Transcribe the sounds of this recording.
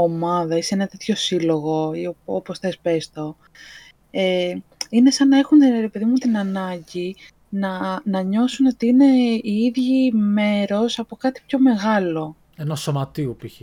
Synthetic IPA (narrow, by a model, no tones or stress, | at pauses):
omɐðɐisenɐt̪e̞t̪ço̞silo̞ɣo̞ioopo̞sθespe̞st̪o̞ | eine̞sɐnɐe̞xunt̪nɾe̞pe̞ðimut̪inɐnɐɲɟi | nɐnɐɲo̞suno̞t̪iine̞iiðʝime̞ɾo̞sɐpo̞kɐt̪i̥pço̞me̞ɣɐlo̞ | enɐso̞mɐt̪iupiçe